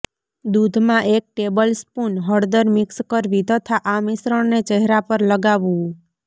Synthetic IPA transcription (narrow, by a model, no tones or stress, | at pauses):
d̪ud̪ʱmãʔek̚ʈebəlspunɦəɽd̪əɾmɪkskəɾʋit̪ət̪ʰaʔamisɾəɽnet͡ʃəɦɾapəɾləɡaʋũ